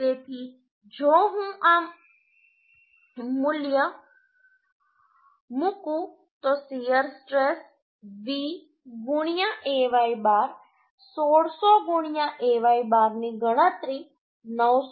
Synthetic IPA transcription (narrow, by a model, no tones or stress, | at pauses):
et̪i | d͡ʒoːɦũʔaːm | mʊljə | mukũ | t̪osijəɾsʈɾes | ʋiː | ɡuɳ̃jãʔeʋaːibaːɾ | soɽsoɡuɳjãʔeːʋaːibaːɾnĩɡəɽ̃ət̪ɾi | nəw